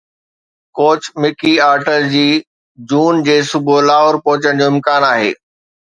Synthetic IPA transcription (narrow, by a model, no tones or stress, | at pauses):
koːt͡ɕmɪkiaːɾʈəɾd͡ʑiː | d͡ʑuːnd͡ʑeːsʊbʱolaːɦoːɾpɔɦʊt͡ɕəɽ̃d͡ʑoːɪ̃mkaːnaːɦḛː